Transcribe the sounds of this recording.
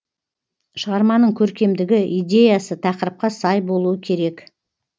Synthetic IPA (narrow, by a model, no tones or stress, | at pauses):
ʃəʁɑɾmɑnəɴkʲʰɵɾkʲe̞md̪ɪɡʲɪʔijd̪ʲe̞jasət̪ʰɑqəɾəp̚qɑsɑjbo̞lˠuəkʲʰe̞ɾe̞k